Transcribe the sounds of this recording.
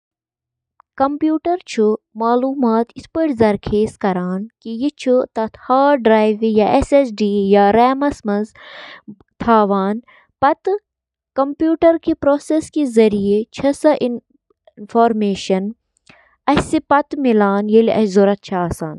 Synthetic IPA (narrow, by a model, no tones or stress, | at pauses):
kɐmpjuːʈɐɾt͡ʃʰumaːluːmaːt̪ispəʈzɐɾkʰeːskɐɾaːnkijit͡ʃʰut̪ɐt̪ʰhaːɖɾaːjʋijaʔesesɖiːjaɾɛːmɐsmɐnz | t̪ʰaːʋaːn | pɐt̪ | kɐmpjuːʈɐɾkepɾoːseskezɐɾijet͡ʃʰɐsɐʔin | nfʰoːɾmeːʃɐn | ɐsipɐt̪milaːnjeliʔɐ̰szoɾɐt̪̚t͡ʃʰɐaːsaːn